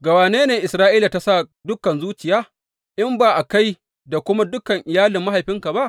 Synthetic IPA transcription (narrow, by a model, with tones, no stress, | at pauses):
ɡa˨waː˨neː˦neː˨ʔɪ˨sɾaː˦ʔiː˦la˨ta˦sa˦˨dʊ˦kɐ˨nzuː˦t͡ʃɪ˨jaː˦ | ʔɪ˦mbaː˨ʔa˨ka˦j | da˨kʷʊ˦ma˦dʊ˦kɐ˨ŋʔɪ˨jaː˦lɪ˨mːa˦ha˨jɸɪ˦ŋka˨ba˦ʔ